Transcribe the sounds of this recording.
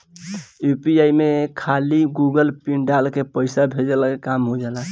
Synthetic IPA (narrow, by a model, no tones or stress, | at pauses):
jupiaimekʰaliɡuɡəlpiɳɖalkepəɪsabʱed͡ʒəlakekamɦod͡ʒala